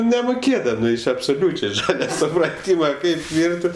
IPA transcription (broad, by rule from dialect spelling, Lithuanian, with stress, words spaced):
nʲɛmoːˈkʲeːdɐmʲɪ ɐpsoːˈlʲuːt͡ʃʲɛɪ ˈʒɑːlʲɛ sʊprɐˈtʲiːmɐ ˈkɐɪp ˈʋʲɪrʲtʲɪ